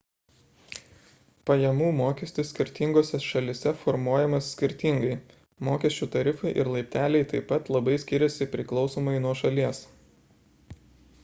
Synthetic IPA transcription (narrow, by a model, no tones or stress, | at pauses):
pɐjɛmuːmoːkʲɛsʲt̪ʲɪssʲkʲɪɾʲt̪ʲɪŋɡoːsʲɛʃɐlʲɪsʲɛfɔɾmuɔjɛmɐsːʲkʲɪɾʲt̪ʲɪŋɡɐɪ | moːkʲɛsʲt͡ʃʲuːt̪ɐɾʲɪfɐɪʔɪɾlˠɐɪpʲt̪ʲæːlʲɛɪt̪ɐɪpːɐt̪lˠɐbɐɪsʲkʲɪɾʲɛsʲɪpʲɾʲɪklˠɒʊsoːmɐɪnuɔʃɐlʲiɛs